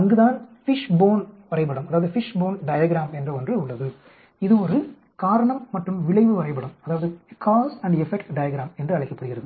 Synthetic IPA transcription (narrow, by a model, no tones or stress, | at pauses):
ɐŋɡɯðaːnfɪʂboːnʋɐɾɐɪpːɐɽɐmɐðaːʋɐðɯfɪʂboːnɖɐjɐːɡɾaːmɛndrɐɔndrɯʊɭːɐðɯ | ɪðɯɔɾɯ | kaːɾɐɳɐmːɐʈrɯmʋɪɭɐɪʋɯʋɐɾɐɪpːɐɽɐmɐðaːʋɐðɯkʰaːsɐɳɖɛfɛkʈɖɐjɐɡɪɾaːmɛndrɯɐɭɪkːɐpːɐɽɯɣɪɾɐðɯ